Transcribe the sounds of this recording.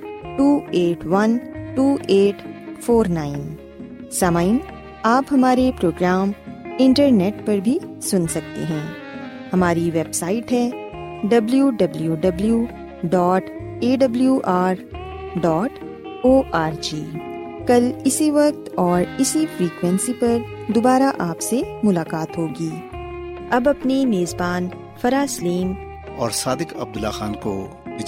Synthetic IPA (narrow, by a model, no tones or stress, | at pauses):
ʈuːeːʈwɐnʈuːʔeːʈfʰoːɾnaːɪn | sɐmaɪn | aːpɦɐmaːɾepɾoːɡɾaːmɪ̃ɳʈəɾneːʈpɐɾbʱisʊnsɐk̚t̪ḛɦɛ̃ː | hɐmaːɾiʋeːbsaːɪʈɦɛː | ɖɐbljuɖɐbljuɖɐbljuː | ɖɔːʈ | eːɖɐbljuʔaːɾ | ɖɔːʈ | oːʔaːɾd͡ʒiː | kɐlɪsiʋɐk̚t̪ɔːɾɪsifɾiːkwɛ̃nsipɐɾd̪obaːɾaʔaːpsemʊlaːkaːt̪ɦoːɡiː | ɐbɐpnimeːzbaːn | fɐɾaːsliːn | ɔːɾsaːd̪ɪkɐ̰b̚d̪ʊlːa̰xaːnko̰ | bɪ